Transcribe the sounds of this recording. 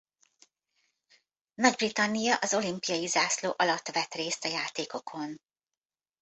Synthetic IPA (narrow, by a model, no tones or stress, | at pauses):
nɒɟbrit̪ɒnːijɒʔɒzo̞limpijɒjizaːsloːʔɒlɒt̪ːʋɛt̪reːst̪ɒjaːt̪eːko̞kʰo̞n